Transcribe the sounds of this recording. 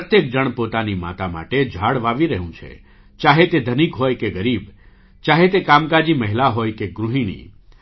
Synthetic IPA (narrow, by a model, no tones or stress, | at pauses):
pət̪jək̚d͡ʒəɳ̃pot̪anima̰t̪ama̰ʈed͡ʒʱaɽʋaʋiɾəɦũt͡ʃʰḛ | t͡ʃaɦet̪ed̪ʱənikɦojkeɡəɾib | t͡ʃaɦet̪ekamkad͡ʒiməɦilaɦojkeɡɾuɦinḭ